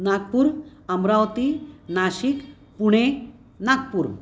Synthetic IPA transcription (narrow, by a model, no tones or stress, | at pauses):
nak̚puɾəmɾawt̪inaɕik | puɽ̃e | nak̚puɾ